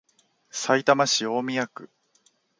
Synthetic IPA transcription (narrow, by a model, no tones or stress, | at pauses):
sait̪amaɕio̞ːmʲijakɯ̟